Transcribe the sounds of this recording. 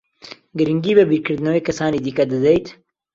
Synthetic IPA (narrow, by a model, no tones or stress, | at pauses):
ɡɨɾɨŋɡiːbɨbikɨɾd̪ɨnɐweːkɐsɑːniːd̪iːkɐd̪ɨd̪ejt̪